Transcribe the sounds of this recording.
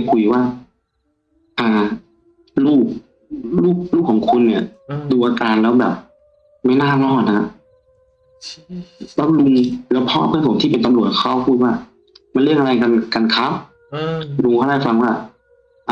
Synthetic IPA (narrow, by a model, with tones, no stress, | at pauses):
kʰu˧jwaː˧˥˩ | ʔaː˨˧˩ | luː˥˩k̚ | luː˥˩k̚luː˥˩kʰːɔː˨˦ŋkʰu˧nːi˧˩ɐduː˧ʔaː˧kaː˨˧nlɛː˦˥wbɛː˨˩p̚ | ma˥˩jnaː˥˩˨lɔː˧˥˩t̪̚na˧ha˧˥ | lɛː˦˥˩lu˧ŋlɯː˧˦pʰɔː˦˧˥ʔpʰːpʰso˨˦nt̪ʰiː˥˩pe˨nt̪a˧mlu˨˩ət̪̚kʰa˦˥˩wpʰuː˥˩t̪̚waː˧˩ | ma˧˥nlɯ˧˥˩əŋʔa˧a˧jka˧nka˧nkʰa˦˥p̚ | lu˧ŋkʰa˧˥˩daː˥˩jfa˧ŋwaː˧˥˩ | ʔa˧